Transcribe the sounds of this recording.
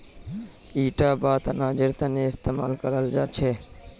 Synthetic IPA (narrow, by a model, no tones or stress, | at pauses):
iʈabat̪nad͡ʑeɾt̪aneːst̪ema̰lkɔɾald͡ʒat͡ʃʰe